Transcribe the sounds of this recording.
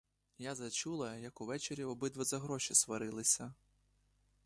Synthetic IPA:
jazɐt͡ʃulˠɐjɐkʊʋɛt͡ʃeɾʲiɔbɪd̪ʋɔzɐɦɾɔʃʲisʋɐɾɪlˠɪsʲɐ

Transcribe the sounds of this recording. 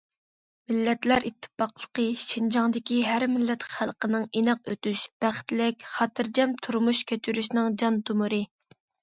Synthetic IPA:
mɪlːɛt̪læɾit̪ʰːɪ̥fɑqlˠə̥qəʃind͡ʒɑŋd̪ɪkʲiɦæɾmɪlːɛt̪χælˠqənɨŋenɛqøt̪yʃb̥æχt̪lɪkʲχɑːt̪ɨɾd͡ʒɛmt̪ʰuɾmuʃkʲʰæt͡ʃyɾyʃnɨŋd͡ʒɑnt̪ʰumuɾɨ

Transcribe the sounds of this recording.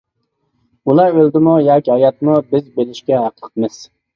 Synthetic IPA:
ulˠɑɾøld̪ɪmujɑkʲiɑjɑt̪mubɪzbelɪʃkʲɛɦɑqʰə̥qʰt̪mɪz̥

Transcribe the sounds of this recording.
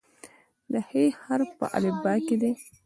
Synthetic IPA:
d̪əhehaɾpə̰ʔa̰lebɑked̪e

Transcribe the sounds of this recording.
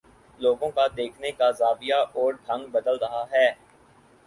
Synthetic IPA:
loːɡõkad̪eːkʰnekazaːbijaʔɔːɾɖʱɐ̃ŋɡbɐd̪əlɾɐɦaɦɛː

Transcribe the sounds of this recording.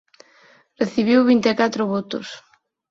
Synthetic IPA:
reθiβ̞iwβ̞int̪ekat̪ɾʊβot̪ʊs

